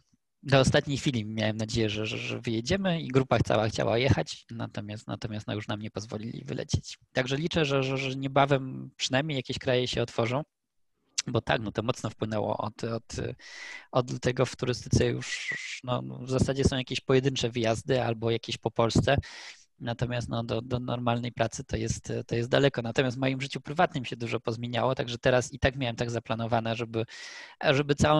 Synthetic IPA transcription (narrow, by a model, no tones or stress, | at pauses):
d̪ɔːst̪at̪ɲejxfʲilʲimʲjawɛmnad͡ʑejɛʐɛʐɛ̰ʐɛ̰vɘjɛd͡ʑɛmɘiɡɾupaxt̪sa̰waxt͡ɕa̰wa̰jɛxat͡ɕna̰t̪ɔmʲjast̪na̰t̪ɔmʲast̪nɔ̰juʂnamɲɛpɔzvɔlʲilʲḭvɘ̰lʔɛ̰t͡ɕe̥t͡ɕt̪aɡʐɛlʲit͡ʂɛʐɛʐɛʐɛɲɛbavɛmpʂɘnajmɲejakʲeɕkɾajɛɕɛɔt̪fɔʐɔ̃w̃ | bɔt̪a̰knɔt̪ɔmɔt̪snɔfpwɘnɛwɔ̰ʔɔ̰t̪ɔt̪ | ɔd̪lut̪ʰɛɡɔft̪uɾɘst̪ɘ̥t̪sɛjṵʂnɔ̰vzasad͡ʑɛsɔ̃w̃jakʲeɕpɔjɛd̪ɘnt͡ʂɛvɘjazd̪ɘalbɔjakʲeɕpɔpɔlst̪sɛ | nat̪ɔmʲjast̪nɔd̪ɔd̪ɔnɔɾmalnɛjpɾat̪sɘt̪ʰɔjɛst̪t̪ɔjɛst̪̚d̪alɛkɔnat̪ɔmʲasvmɔjimʐɘt͡ɕupɾɘvat̪̚nɘmɕɛd̪uʐɔpɔzmʲjeɲawɔt̪aɡʐɛt̪ɛɾasit̪akmʲjawɛmt̪aɡzaplanɔvanɛʐɛbɘʐɛbɘt̪sawɔ̃